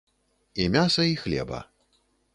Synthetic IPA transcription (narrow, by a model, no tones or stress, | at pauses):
imʲasɐixlʲɛ̰bɐ̰